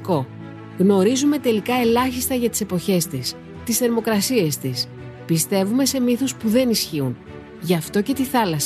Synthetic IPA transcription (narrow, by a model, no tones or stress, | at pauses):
ko̞ | ɣno̞ɾizume̞t̪e̞likɐe̞lɐçist̪ɐʝɐt̪i̥se̞po̞çe̞st̪is | t̪isθe̞ɾmo̞kɾɐsie̞st̪is | pist̪e̞vume̞se̞miθospuðe̞nisçiun | ʝɐft̪o̞ce̞t̪iθɐlɐs